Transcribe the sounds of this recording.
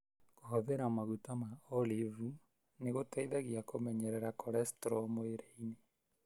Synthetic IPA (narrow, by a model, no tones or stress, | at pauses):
koɦɔðɛɾaɔmaɣutamaɔlivu | neɣotaiðaɣiakomɛɲɛɾɛɾakoɾɛstɾɔmoeɾeine